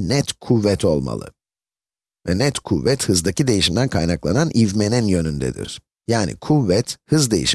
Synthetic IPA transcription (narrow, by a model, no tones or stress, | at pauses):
nɛt̪kʰuvːɛt̪ʰo̞lˠma̰lˠɯ̰ | vɛnɛt̪kʰuvːɛt̪hɯzd̪acid̪e̞jiʃimd̪ænkʰajnaklˠananʔivme̞ninjø̞nynd̪ɛ̰d̪ḭɪ̰ɾ̥ | jaːnɪ̰kʰuvːɛt̪hɯzd̪e̞jḭʃ